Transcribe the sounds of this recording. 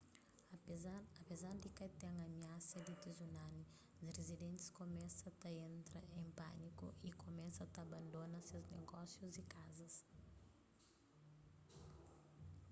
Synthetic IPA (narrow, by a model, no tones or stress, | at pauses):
ɐpezaɾd̪ɪkɐt̪ɛ̃ŋɐmiasɐd̪ɪt̪izunani | zrezid̪ẽnt̪ɪ̥skomɛsɐt̪ɐẽnt̪ɾɐẽmpa̰nikṵʔikomɛsɐt̪ɐbɐ̃nd̪onɐseznḛɡɔsjuzikazɐs